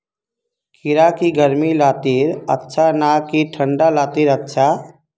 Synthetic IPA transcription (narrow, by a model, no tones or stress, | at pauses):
kʰɪɾakiɡəɾmilaːt̪iːɾətːʃʰanakiʈʰə̃ɳɖalaːt̪iɾətːʃʰa